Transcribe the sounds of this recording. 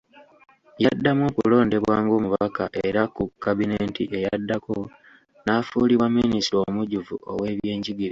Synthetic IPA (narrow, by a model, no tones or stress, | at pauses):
jadːamwo̞kṵlo̞ːnde̞βwaːŋɡoːmuβakaʔe̞ɾakukːaβineːntiʔe̞jadːako̞ | nafuːliβwamːinisiɾomuɟuvṵo̰we̞ːβje̞ːɲɟiɡiɾe